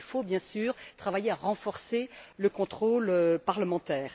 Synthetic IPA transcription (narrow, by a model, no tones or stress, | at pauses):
lfobjɛ̃syːʁt̪χavajeaʁɑ̃fɔʁseləkɔ̃t̪χoløpaʁləmɑ̃t̪ɛːʁ